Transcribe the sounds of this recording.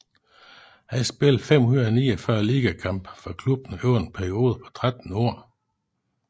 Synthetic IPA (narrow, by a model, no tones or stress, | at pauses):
hæsb̥e̝lˠfem̰hunɐð̩ˠniːɒfɶɐliːɡ̥ækʰɑ̈mb̥fɒkʰlub̥n̩øʊ̰n̩pʰæɐio̝ːð̞̩ˠəpʰɒ̽t͡sʰʁad̥n̩ɔ̰ɐ̰